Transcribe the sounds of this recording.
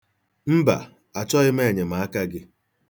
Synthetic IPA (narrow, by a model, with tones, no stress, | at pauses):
m̩˦ba̰˨ | a˨t͡ʃɔ˦ɣɪ˦me˦˨ɲe˨ma˨a˦ka˦ɡɪ˦